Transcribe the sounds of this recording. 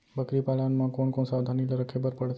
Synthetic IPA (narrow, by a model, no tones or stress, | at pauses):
bəkɾipalanmãkoɳkoɳsaʋd̪ʱaniləɾəkʰebəɾpəɽe